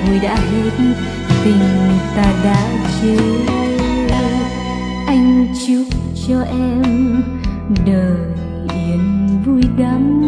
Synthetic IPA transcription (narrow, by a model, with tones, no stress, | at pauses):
vu˧˩jɗa̰ː˧˥ɦe˧˦t̚n | t̪ï˨˩ŋ̟t̪aː˧ɗa̰ː˧˥t͡ɕe˨˦ | ʔa˧jŋ̟t͡ɕɨ˧˦k͡p̚ | t͡ɕɔ˧ʔɛ˧m | ɗəː˨˩ | ʔɛ˨˦nvu˧jɡa˨˦m